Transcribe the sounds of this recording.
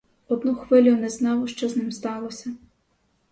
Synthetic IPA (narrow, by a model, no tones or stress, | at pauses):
ɔd̪nuxʋɪlʲʊnɛznɑwʃt͡ʃɔznɪmst̪ɑlˠɔsʲɐ